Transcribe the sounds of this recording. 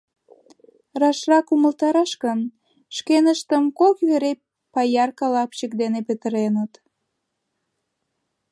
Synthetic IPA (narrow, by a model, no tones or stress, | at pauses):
rɑʃrɑkuməlt̪ɑɾɑʃkən | ʃkenəʃt̪əmkokβeɾe | pɑjɑrkɑlɑpt͡ɕək̚d̪enepət̪əɾenət̪